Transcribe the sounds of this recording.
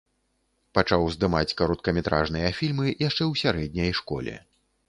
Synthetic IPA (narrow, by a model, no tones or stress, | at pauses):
pat͡ʂawzd̪ɨmat͡sʲkaɾɔt̪̚kɐmʲɛt̪ɾa̰ʐnɨjɐfʲilʲmɨjaʂt͡ʂɛwsʲaɾɛd̪̚ʲnʲɐjʂkɔ̰lʲɛ̰